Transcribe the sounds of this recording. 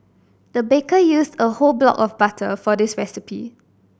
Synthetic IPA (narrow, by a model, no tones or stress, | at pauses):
d̥əbekəjusdəholblɔ̰kɔfbatʰəfɔdɪsɹɛsɪpḭ